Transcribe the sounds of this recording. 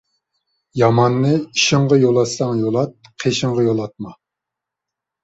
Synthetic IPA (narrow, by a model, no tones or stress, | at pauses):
jɑmɑnːɨiʃɪŋʁɑjolˠɑsɑŋjolˠɑt̪̚qʰeʃɪŋʁɑjolˠɑt̪̚mɑ